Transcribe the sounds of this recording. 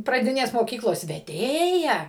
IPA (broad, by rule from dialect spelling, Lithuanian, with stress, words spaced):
prɐˈdʲɪnʲeːs moːˈkʲiːklˠoːs ʋʲɛˈdʲeːjɛ